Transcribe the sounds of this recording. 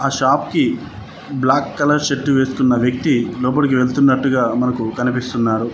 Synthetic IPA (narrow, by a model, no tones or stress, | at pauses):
aːʃaːpki | blaːkːɐlɐɾʃe̞ʈːuʋe̞ːsu̥kunːɐʋjɐk̚t̪ilɔːp̬ɐɽik̬iʋe̞ɭt̪unːɐʈːuɡaːmɐnɐkukɐnipist̪unːaːɾu